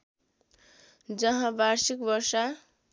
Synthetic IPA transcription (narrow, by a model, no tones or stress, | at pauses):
d͡zʌɦãbaɾsikbʌrsa